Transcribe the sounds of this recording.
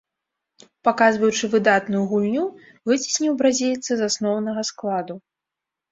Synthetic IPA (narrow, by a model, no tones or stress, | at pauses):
pakazvɐjut͡ʂɨvɨd̪at̪nujuɣulʲnʲu | vɨt͡sʲi̥sʲnʲiwbɾazʲilʲt̪sɨzasnɔwnɐɣɐsklˠad̪u